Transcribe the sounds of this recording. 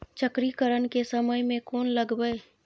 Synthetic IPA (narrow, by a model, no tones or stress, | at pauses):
t͡ʃəkɾikəɾənkesəməjmẽkoːnləɡbə